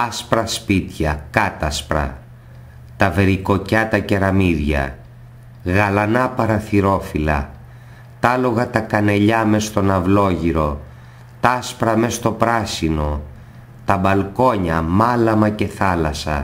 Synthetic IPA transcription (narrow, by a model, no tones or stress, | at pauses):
ɐspɾɐspit̪çɐkɐt̪ɐspɾɐ̰ | t̪ɐve̞ɾiko̞cɐt̪ɐce̞ɾɐmiðʝɐ̰ | ɣɐlɐnɐpɐɾɐθiɾo̞filɐ̰ | t̪ɐlo̞ɣɐt̪ɐkɐne̞ʎɐme̞st̪o̞nɐvlo̞ʝiɾo̞ | t̪ɐspɾɐme̞st̪o̞pɾɐsino̞ | t̪ɐbɐlko̞ɲɐmɐlɐmɐce̞θɐlɐsɐ̰